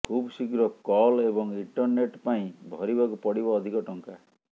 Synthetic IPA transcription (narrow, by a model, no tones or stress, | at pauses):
kʰubsikɾɔkɔlebɔŋiɳʈɔɾneʈpaĩbʱɔɾibakupɔɽibɔːd̪ʱikɔʈɔŋka